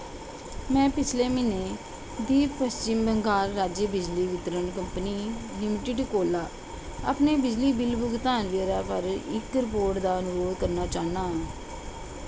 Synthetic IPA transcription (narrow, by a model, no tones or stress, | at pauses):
mɛ̃ːpɪt͡ʃʰleːmɪneː | d̪iːppəst͡ʃɪmbəŋɡaːɾːaːd͡ʒəbɪd͡ʒliːʋɪt̪ɾənkəmpniːlɪmɪʈɪɖkoːlaː | ə̰pneːbɪd͡ʒliːbɪlbʊɡt̪aːnʋeːɾaːpʰəɾɪkːɾɪpoːʈd̪aːənʊɾoːd̪kəɾnaːt͡ʃaːnaː